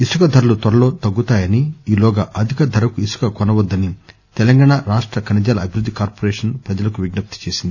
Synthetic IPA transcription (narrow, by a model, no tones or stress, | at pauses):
isukɐd̪ʱɐɾɐlut̪ʋɐɾɐlo̞ːt̪ɐɡːut̪aːjɐniiːlɔːɡɐʔɐd̪ʱikɐd̪ʱɐɾɐkuisu̥kɐkɔnɐʋɐd̪ːɐni | t̪ɛlɐŋɡaːɳaɾaːʂʈɾɐkɐnɐd͡ʒaːlɐɐbʱiɾud̪ʱːikaːɾpoːɾeːʂɐnpɾɐd͡ʒɐlɐkuʋiɡnɐp̚t̪u̥t͡ʃe̞ːsind̪i